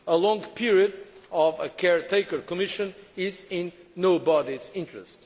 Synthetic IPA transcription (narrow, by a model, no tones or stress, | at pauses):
əlɔ̃ŋɡpʰiɹiɨdɔvəkʰɛɹtʰeɪkə˞kɔmɪʃɨ̃nɪzɪ̃nːoʊbɔdizɪ̃ntɹɨ̰st